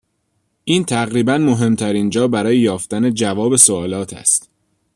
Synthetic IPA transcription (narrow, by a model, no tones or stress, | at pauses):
ʔiːnt̪ʰæɣɾiːbænmo̞ɦe̞mt̪ʰæɾiːnd͡ʒɒːbæɾɒːjejɒːft̪æne̞d͡ʒævɒːbe̞soɒːlɒːt̪ʰæ̰st̪